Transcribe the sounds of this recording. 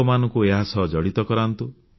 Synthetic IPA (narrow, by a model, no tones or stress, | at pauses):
ɔmanɔ̃ŋkueɦasɔɦd͡ʒɔɽit̪ɔkɔɾant̪u